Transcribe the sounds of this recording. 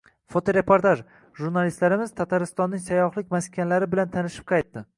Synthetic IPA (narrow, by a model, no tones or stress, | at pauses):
fot̪ʰoɾe̞poɾt̪aʒ | ʒuɾnalist̪laɾɪmɪz̥t̪ʰat̪ʰaɾɪst̪ɒnːɪŋsajɒχlˠɪkʲmaskʲʰanlaɾɪbɪlant̪ʰanɪʃɪ̥p̚qʰɑjt̪ːɪ